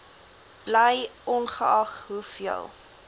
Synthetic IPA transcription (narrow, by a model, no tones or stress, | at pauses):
b̥ləjʔɔnχəɐχɦufiə̰lˠ